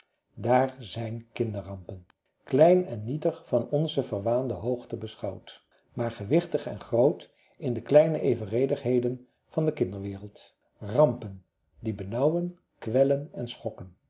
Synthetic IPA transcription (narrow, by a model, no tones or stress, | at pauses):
daːɹzɛjnkɪndərɑmpən | klɛjnɛnːitəχfɑnɔnzəvəɹʋaːndəɦowχtəbəsχɑwt | maːɹχəʋɪχtəχɛ̰nχrowt | ɪndəklɛjnəʔejvərejdəχɦejdən | v̥ɑndəkɪndəɹʋɪːrəlˠt | rɑmpən | dibənɑwən | kʋɛlənɛnsχɔkən